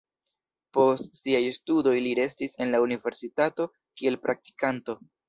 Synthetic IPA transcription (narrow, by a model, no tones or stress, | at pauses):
po̞stsiajstudo̞jliɾe̞stise̞nlaunive̞ɾsitato̞ | kie̞lpɾʔak̚ti̥kanto̞